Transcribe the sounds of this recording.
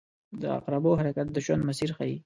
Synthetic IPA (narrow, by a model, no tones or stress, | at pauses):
d̪əa̰qɾaboɦaɾakat̪̚d̪əʒwand̪masiɾxai